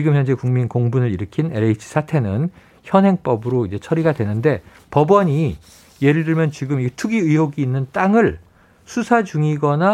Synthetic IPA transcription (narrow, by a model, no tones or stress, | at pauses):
t͡ɕiɡɯmçjʌnd͡ʑe̞kuŋminkoŋbunɯɭiɾɯkʰineɾeit͡ɕʰi̥sʰatʰe̞nɯn | çjʌnɦe̞ŋp͈ʌbɯɾoid͡ʑe̞t͡ɕʰʌɾiɡadwe̞nɯnde̞ | pʌbʌɲi | je̞ɾɯɭdɯɭmjʌnt͡ɕiɡɯmitʰuɡiɯɦoɡiːnːɯnt͈aŋɯɭ | sʰusʰad͡ʑuŋiɡʌna